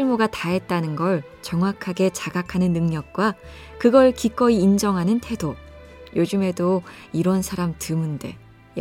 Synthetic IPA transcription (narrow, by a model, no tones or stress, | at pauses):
iɭmoɡataɦe̞t̚t͈anɯnɡʌɭ | t͡ɕʌŋɦwakʰaɡe̞t͡ɕaɡakʰanɯnːɯŋɲʌk̚k͈wa | kɯɡʌɭkik͈ʌiːnd͡ʑʌŋɦanɯntʰe̞do | jod͡ʑɯmɦe̞do | iɾʌnsʰaɾamtɯmɯnde̞̰ | j